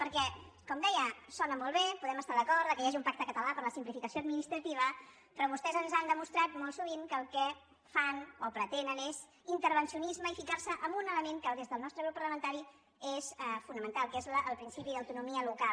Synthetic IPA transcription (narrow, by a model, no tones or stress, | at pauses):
pəɾkɛ | kɔmd̪ɛjəsɔnəmɔlˠβepuðɛməst̪aðəkɔɾd̪əkəjaʒiumpak̚t̪əkət̪əlapəɾləsimplifikəsjoəd̪minist̪ɾət̪iβ̞ə | pɾɔβust̪ɛzənzand̪əmust̪ɾat̪mɔlˠsuβ̞iŋkəlˠkɛ | fanopɾət̪enənez | int̪əɾβənsiunizməifikaɾsəʔəmbunələmeŋkəlˠdezðəlˠnɔst̪ɾəɣɾupːəɾləmə̃nt̪aɾi | ezɛfunəmənt̪alˠkezləəlˠpɾinsipiðəwt̪unumiəluka